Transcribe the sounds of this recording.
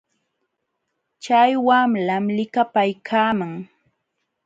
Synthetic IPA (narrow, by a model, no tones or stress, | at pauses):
t͡ʃajwamlamlɪkapajkʰaːmaŋ